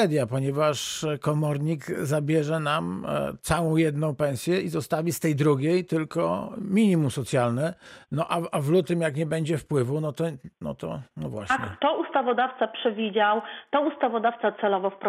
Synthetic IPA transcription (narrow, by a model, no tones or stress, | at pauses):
ɛd̪ʲjapɔɲɛvaʂkɔmɔɾɲikzabʲjɛʐɛnamt̪sawɔ̃w̃jɛd̪nɔ̃w̃pɛñsʲjɛizɔst̪avʲist̪ɛjd̪ɾuɡʲejt̪ɘlkɔ̰mʲiɲimumsɔt̪sʲjalnɘnɔʔaavlut̪ɘmjakɲɛbɛɲd͡ʑɛfpwɘvunɔt̪ɔnɔ̰t̪ɔ̰nɔvwa̰ɕɲkɛt̪ɔust̪avɔd̪aft̪sapʂɛvʲid͡ʑawt̪ɔust̪avɔd̪aft̪sat̪sɛlɔvɔfpɾ